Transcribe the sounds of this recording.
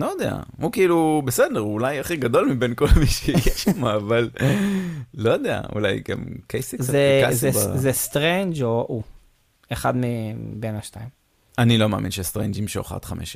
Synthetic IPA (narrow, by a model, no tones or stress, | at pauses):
lojod̪ea̰hukiilubesed̪eʁulajaχiɡad̪o̞lmibenko̞lmiʃejɛʃamaːvalː | ojod̪ea̰ṵla̰jɡa̰mkejsizeazsezest̪ʁend͡ʒoʔu | eχad̪mibenaʃtaim | anilo̞mea̰minʃest̪ʁḛnd͡ʒimʃeo̰χa̰d̪χamʔḛʃ